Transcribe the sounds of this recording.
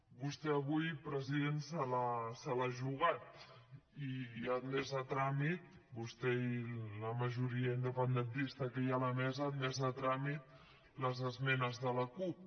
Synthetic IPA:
bust̪ɛəβujpɾəziðensalasalaʒuɣ̞at̪̚ | iənmɛzðət̪ɾamit̪ | bust̪ɛiləməʒuɾiəind̪əpənd̪ənt̪ist̪əkəjaləmɛzəːnmɛzðət̪ɾamit̪̚ | ləzəzmɛnəzðələkup̚

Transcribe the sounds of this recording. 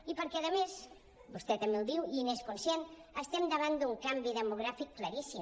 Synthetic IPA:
ipəɾkɛəðəmes | bust̪ɛt̪əmbelˠd̪iwiineskunsjenəst̪ɛmd̪əβ̞and̪uŋkambiðəmuɣɾafikːləɾisi

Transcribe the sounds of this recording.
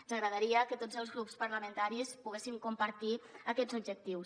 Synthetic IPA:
nzəɣɾəðəɾiəkət̪od͡zəlˠzɣɾupspəɾləmənt̪aɾispuɣ̞esimkumpəɾt̪iəkɛd͡zubd͡ʒək̚t̪iws

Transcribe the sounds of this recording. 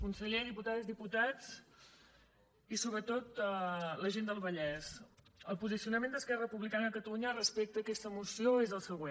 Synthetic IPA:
kunsəʎeðiput̪aðəzðiput̪ad͡z | isoβɾət̪ot̪ləʒend̪əlˠβəʎɛzəlˠpuzisiunəmẽnd̪əskɛrəpuβlikanəːkət̪əluɲərəspek̚t̪əːkɛst̪əmusioezəlˠsəɣ̞wen

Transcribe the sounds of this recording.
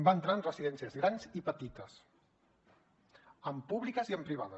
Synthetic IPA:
mbaənt̪ɾaənrəziðɛnsiəzɣɾanzipət̪it̪əs | əmpuβlikəziəmpɾiβ̞aðə

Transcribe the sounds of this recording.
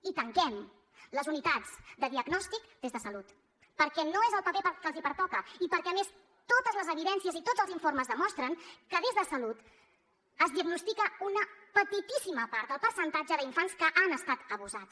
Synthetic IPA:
it̪əŋkɛm | ləzunit̪ad͡zd̪əðiəɡnɔst̪ikd̪ezðəsəlut̪ | pəɾkɛnoezəlˠpəpepəkəlzipəɾt̪ɔkəipəɾkɛəmes | t̪ot̪əzləzəβiðɛnsiəzit̪odd͡zəlˠziɱfoɾməzðəmɔst̪ɾəŋkəðezðəsəlut̪ | əzðiəɡnust̪ikəunəpət̪it̪isiməpaɾt̪d̪əlˠpəɾsənt̪ad͡ʒəðəiɱfanskəʔanəst̪at̪əβuzatt͡s

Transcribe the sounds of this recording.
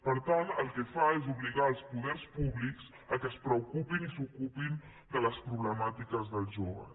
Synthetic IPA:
pəɾt̪anəlˠkɛfaezuβliɣaːlˠspuðɛrspuβlikz̥ | əkəspɾəukupinisukupin | d̪ələspɾuβləmat̪ikəzðəlˠʒoβə̰

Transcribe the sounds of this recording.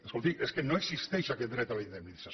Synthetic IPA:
eskolˠt̪ieskenoeksist̪eʃaket̪̚d̪ɾet̪alinðemnisa

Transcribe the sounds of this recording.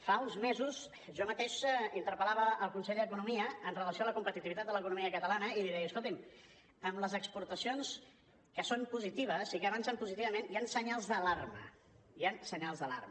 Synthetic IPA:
faunzmezuz | ʒɔmət̪eʃint̪əɾpəlaβəːlˠkunsɛʎd̪əkunumiəənrələsioaləkumpət̪it̪iβit̪at̪ələkunumiəkət̪əlanəiliðɛjəskolˠt̪im | əmləzəkspuɾt̪əsions | kəsompuzit̪iβ̞əzikəβansəmpuzit̪iβəmeniansəɲalˠzðəlarmə̰ | jansəɲalˠzðəla̰rm

